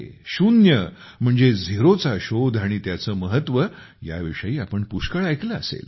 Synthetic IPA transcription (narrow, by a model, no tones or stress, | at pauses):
ɕunjə | m̤əɳd͡zed͡zʱeɾot͡saɕod̪ʱaɽ̃it̪jat͡səːməɦət̪ːʋə | ja̰ʋiʂəjiːapəɳpuɕkəɭajkləəsḛl